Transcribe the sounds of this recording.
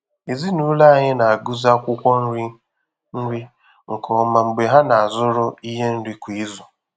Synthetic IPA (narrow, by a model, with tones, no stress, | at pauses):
e˨zi˦nu˦la˦a˦˨ɲɪ˦na˨a˨ɡu˦za˦kʷʊ˦kʷɔ˦n̩˦ɾi˦ | n̩˦ɾi˦ | ŋ̩˨kɔ˨ma˨ŋ͡m̩˨ɡ͡be˨ɦa˦na˨a˨zʊ˦ɾʊ˦i˦ɦe˦n̩˦dɪ˦kʷi˨˦zʊ˨